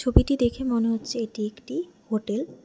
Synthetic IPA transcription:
t͡ɕʰobiʈid̪ekʰemoneɦotːɕʰeeʈiekʈihoʈel

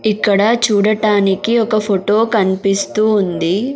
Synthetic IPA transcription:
ikːɐɽɐt͡ʃuːɽɐʈaːnikiɔkɐpʰoʈoːkɐnipist̪uːnd̪i

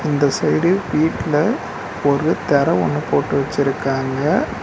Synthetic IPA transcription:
ɪnd̪ɐsɐjɽɯʋiːʈːlɐ | ɔɾɯt̪ɛɾɐɔ̰ɳːɯpoːʈːɯʋɐt͡ʃːɪɾɯkːaːŋɡɐ

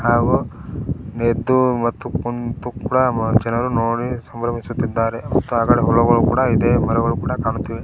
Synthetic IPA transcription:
haːɡu | ned̪ːumɐt̪ːukont̪ukuːɽɐd͡ʒɛnɐɾunoːɽisɐmbɾɐmisut̪ːid̪ːaːɾemɐt̪ːuaːɡaːɽeɦɔlɔɡɐɭukṵːɽɐid̪e̞ːmɐɾɐɡɐɭukuːɽɐkaːɳut̪ːiʋe

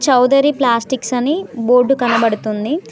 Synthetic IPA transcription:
t͡ʃɐwd̪ɐɾiplaːsʈiksɐniboːɾɖukɐnɐbɐɽut̪und̪i

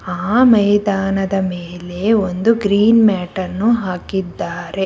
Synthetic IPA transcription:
aːmɐjd̪aːnɐd̪ɐmeːle̞ond̪uɡɾiːnmɛːʈɐnːuɦaːkid̪ːaːɾe̞

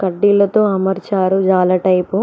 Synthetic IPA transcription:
kɐɖːilɐt̪o̞ːɐmɐɾt͡ʃaːɾud͡ʒaːlaːʈɐjpu

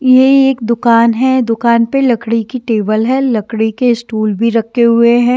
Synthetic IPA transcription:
jeeːk̚d̪ʊkaːnɦɛd̪ʊkaːnpelɐkɽikiʈeːbəlɦɛlɐkɽikeɪsʈuːlbʱiɾɐkʰːeɦʊeɦɛ̃ː

